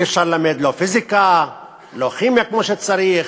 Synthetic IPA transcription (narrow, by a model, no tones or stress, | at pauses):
ifʃaɾlelamed̪lofizika | loχimjakmoʃet͡saɾiχ